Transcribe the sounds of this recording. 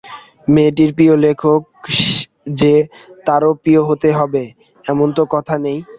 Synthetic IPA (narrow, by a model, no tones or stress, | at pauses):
meʈ̬iɾpiolekʰok | d͡ʑe | t̪aɾopioɦot̪eɦɔbe | ɛmont̪okɔt̪ʰanej